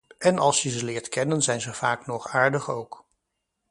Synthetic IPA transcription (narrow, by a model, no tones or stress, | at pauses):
ɛnʔɑlˠsjəzəlɪːɹtkɛnənzɛjnzəv̥aːknɔχaːɹdəχowk